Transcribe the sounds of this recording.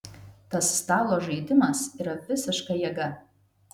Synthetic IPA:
t̪ɐssːt̪ɑːlˠoːʒɐɪd̪ʲɪmɐsiːɾɐʋʲɪsʲɪʃkɐjɛɡɐ

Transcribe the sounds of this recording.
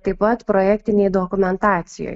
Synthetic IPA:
t̪ɐɪpɐt̪pɾoːjækʲt̪ʲɪnʲɛjd̪okʊmʲɛnt̪ɑːt̪sʲɪjo̰ːj

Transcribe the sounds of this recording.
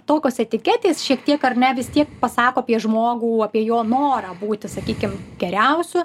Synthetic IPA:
t̪oːkʲoːsɛt̪ʲɪkʲæt̪ʲeːsʃʲiɛkt̪ʲiɛkɐrnʲɛʋʲɪst̪ʲiɛkpɐsɑːkoːɐpʲiɛʒmoːɡuːɐpʲiɛjoːnoːɾɐbuːt̪ʲɪsɐkʲiːkʲɪmɡʲɛɾʲɛʊsʲʊ

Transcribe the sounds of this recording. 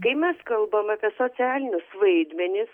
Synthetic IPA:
kɐɪmʲɛskɐlˠbɐmɐpʲiɛsoːt͡s̪ʲæːlʲɪnʲʊsʋɐɪd̪ʲmʲɛnʲɪs

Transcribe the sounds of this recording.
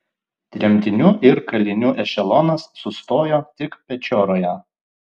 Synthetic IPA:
t̪ʲɾʲiɛmʲt̪ʲɪnʲuːʔɪɾkɐlʲɪnʲuːʔɛʃʲɛlˠoːnɐsːʊst̪oːjoːt̪ʲɪkpʲɛt͡ʃʲoːɾoːjɛ

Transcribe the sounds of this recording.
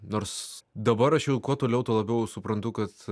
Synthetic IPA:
noːɾsd̪ɐbɐɾɐʃjɛʊkuɔt̪oːlʲɛʊt̪oːlˠɐbʲɛʊsʊpɾɐnt̪ʊkɐt̪

